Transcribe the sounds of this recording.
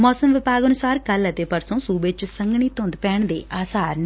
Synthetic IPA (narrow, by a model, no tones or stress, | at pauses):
mɔːsəmʋɪpaːɡənʊsaːɾkələt̪eːpəɾsõːsuːbeːt͡ʃsəŋɡɳiːt̪ʊ̃nd̪pɛːɳd̪ḛːʔaːsaːɾn